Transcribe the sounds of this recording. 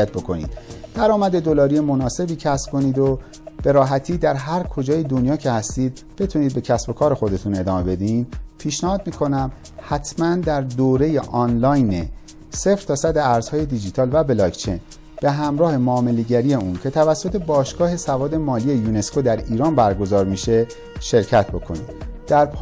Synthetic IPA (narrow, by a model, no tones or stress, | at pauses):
æt̪̚bo̞kʰo̞̰nḭd̪̥d̪̥æɾɒːmæd̪e̞d̪o̞lɒːɾijemo̞nɒːse̞biːcʰæsb̥̚kʰo̞niːd̪o | b̥e̞ɾɒːɦæt̪ʰiːd̪æɾɦæɾkʰo̞d͡ʒɒːjed̪onjɒːcʰe̞hæst̪iːd̪ | b̥e̞t̪ʰuniːd̪̚be̞cʰæsbo̞kʰɒːɾe̞xo̞d̪e̞t̪ʰune̞d̪ɒːme̞be̞d̪inpʰiːʃnæhɒːd̪miːkʰo̞næm | hæt̪ʰmænd̪æɾd̪oːɾe̞jeʔɒnlɒːjne | se̞fɾ̥t̪ɒːsæd̪eæɾz̥hɒːje̞d̪id͡ʒit̪ʰɒːlvæbelɒːkt͡ʃʰe̞̰jn | b̥e̞ɦæmɾɒːhe̞moːme̞leɟæɾije̞uːncʰe̞t̪ʰævæsːo̞t̪ʰe̞bɒːʃɡ̥ɒːɦe̞sævɒːd̪e̞mɒːliːe̞juːne̞skʰod̪æɾiːɾɒːnbæɾɡo̞zɒːɾmiʃe̞ | ʃe̞ɾcʰæt̪̚ʰbo̞kʰo̞̰niːd̪̥̚d̪̥æɾpʰ